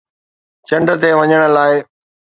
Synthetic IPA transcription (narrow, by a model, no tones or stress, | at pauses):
t͡ɕɐ̃ɳɖə̆t̪eʋɐɲəɽ̃ə̆laːɪ